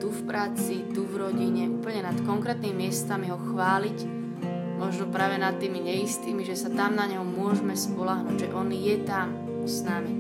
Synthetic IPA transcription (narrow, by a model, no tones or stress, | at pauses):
d̪ufpɾaːt͡sit̪uvɾɔɟiɲɛuːpl̩ɲɛnat̪kɔŋkɾɛt̪nimimɪɛst̪amiɦɔxʋaːlic | mɔʒnɔpɾaːʋɛnat̪ːiːmiɲɛjist̪iːmiʒɛsat̪amnaɲɛɦɔmʊɔʒmɛspɔlaɦnuːɟʒɛʔɔnjɛt̪am | snami